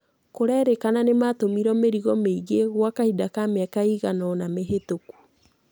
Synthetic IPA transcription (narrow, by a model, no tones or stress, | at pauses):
koɾɛɾekananematomiɾɔmeɾiɣɔmeiɣeɣwakahidakameakaiɣanɔnameɦetoku̥